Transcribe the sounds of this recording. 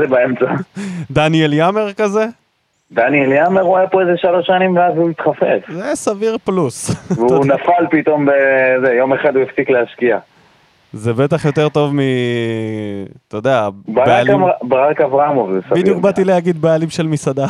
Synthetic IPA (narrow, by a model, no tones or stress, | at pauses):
zebaemt͡sad̪anieljame̞ʁkaze̞ | d̪anieljameʁuajapoezeʃalo̞ʃanimveazuit̪χafḛfzesaviʁplusvunafalpit̪o̞mbezejo̞me̞χad̪uefsikleaʃkia | zebe̞t̪aχjo̞t̪e̞ʁt̪o̞vmi | t̪od̪eabbealiabʁakavʁaaamovesabid̪jukbat̪ilehaɡid̪bealimʃelmisad̪a